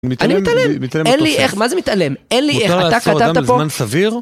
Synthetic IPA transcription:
nimit̪alnimimt̪alemmit̪aleenlieχmazemit̪alemenlieχaat̪askat̪aat̪apomansaviʁ

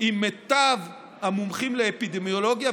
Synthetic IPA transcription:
imːet̪av | hamumχimleːpid̪emjolo̞ɡja

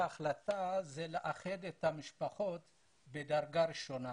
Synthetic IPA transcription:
aχlat̪azeleʔaχed̪et̪hamiʃpaχo̞t̪ | bed̪aʁɡaɾiʃo̞na

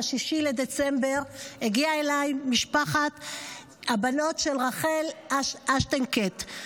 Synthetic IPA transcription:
aʃiʃiled̪et͡sembe̞ʁheɡiaelajmiʃpaχat̪ | habano̞tʃe̞lʁaχe̞laʃʔaʃtenket̪

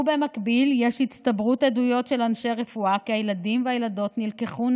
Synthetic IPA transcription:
bemakbilje̞ʃhit͡st̪abʁutedujo̞tʃe̞lanʃeaʁefuakiajeladimveajelado̞t̪nilkeχun

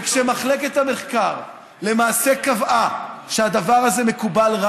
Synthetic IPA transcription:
kʃemaχle̞ket̪ame̞χkaʁ | le̞maːse̞kavaʃead̪avaʁaze̞me̞kubalʁa

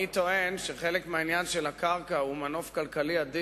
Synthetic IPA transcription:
it̪o̞e̞nʃeχe̞lekmeainjanʃelakaʁkaumano̞fkalkaliad̪i

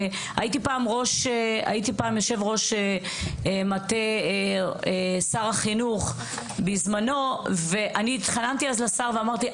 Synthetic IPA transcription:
a̰jit̪ipaːmʁo̞ʃea̰it̪ipaːmjo̞ʃe̞vʁo̞ʃe | emat̪e | esaʁaχinuχ | bizmano̞veʔanit̪χanant̪iazlasaʁveamaʁt̪i

